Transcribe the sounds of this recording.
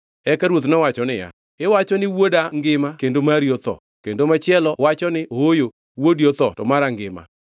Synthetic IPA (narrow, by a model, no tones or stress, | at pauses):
ɛkaɾwot̪̬nɔwat͡ʃɔnɪja̰ | ɪwat͡ʃɔnɪwodaŋɡɪmakendomaɾjot̪ɔ̰ | kendomat͡ʃɪɛlɔwat͡ʃɔnɪʔoojo | wodjot̪ɔtɔmaɾaŋɡɪma̰